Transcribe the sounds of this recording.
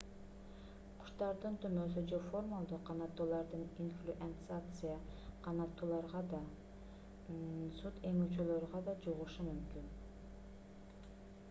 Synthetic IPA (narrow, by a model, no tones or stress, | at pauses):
qʰʊ̥ʃt̪ɑɾd̪ɯnt̪ʰymøs̬yd͡ʒoformalˠd̪uqʰːɑnɑt̪ːulˠɑɾd̪ɯninflʲuʔent̪sat̪sɨjaqʰɑnɑt̪ːuːlˠɑɾʁɑd̪ɑ | sut̪e̞ŋyt͡ʃøløɾʁɑd̪ɑd͡ʒuʁuʃumymkyn